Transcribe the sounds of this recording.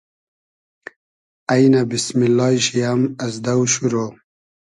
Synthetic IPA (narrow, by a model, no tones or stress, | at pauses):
ajnabismilːɑjɕijamɐzd̪awɕuɾo